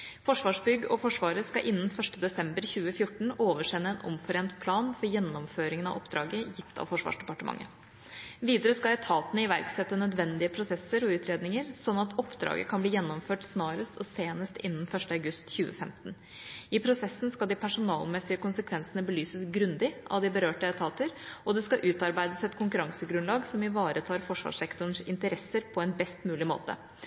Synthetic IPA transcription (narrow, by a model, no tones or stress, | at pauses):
fɔʂʋɑːʂbʏɡːɔfɔʂʋɑːɾəskɑʔɪnːən̩fœʂʈəd̪ɛsɛmbəɾçʉːəfjʊʈːɳ̩oːʋəʂɛnːəɛnʔɔ̰mfɔɾeːnt̪pʰlɑːnfɔɾjɛnːɔmføːɾɪŋənɑ̰ʔɔpd̪ɾɑ̰ːɡəjɪft̪ʰɑ̰ʋfɔʂʋɑ̰ːʂd̪ɛpɑʈəmʔɑ̰ŋːə̰ | ʋiːd̪əɾəskɑɛt̪ʰɑːt̪ənəɪʋæ̰ɾksɛt̪ːənœd̪ʋɛnd̪ɪəpʰɾʊsɛsːəɾɔʉːt̪ʰɾeːd̪nɪŋəɾsɔnːɑt̪ɔpd̪ɾɑ̰ːɡə̰kʰɑnbliːjɛnːɔmføːʈsnɑːɾəst̪ɔseːnəst̪ɪnːənfœʂʈəɑʉɡʉst̪çʉːə̰fɛmt̪n̩ | ɪpʰɾʊsɛsːənskɑld̪ɪpʰæʂʊnɑːlmɛsɪəkʊnsəkʰʋɛnsənəbəlyːsəsɡɾʉnd̪ɪʔɑ̰ʋd̪ɪbəɾøːʈəɛt̪ʰɑːt̪əɾʔɔd̪ɛskɑʔʉːt̪ɑɾbæɪd̪əsɛt̪kʰʊŋkʉɾɑŋsəɡɾʉnlɑːɡsɔmɪʋɑːɾʔət̪ʰɑːɾfɔʂʋɑ̰ːʂɛkt̪ʊəɳ̩sɪ̰nt̪əɾɛsːəɾpʰɔɛnbɛst̪mʉːlɪmo̰ːt̪ə̰